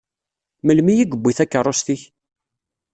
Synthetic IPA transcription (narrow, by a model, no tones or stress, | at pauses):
məlmijiɡəbːiθækːərˤːost̪iç